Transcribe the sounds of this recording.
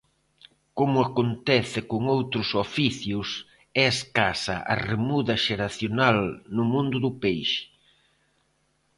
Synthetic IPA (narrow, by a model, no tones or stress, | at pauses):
komʊakont̪ɛθɪkoŋowt̪ɾʊsofiθjʊs | ɛeskasɐ̰ʔa̰remuðɐʃeɾaθjonalnʊmũnd̪ʊðʊpejʃɪ̥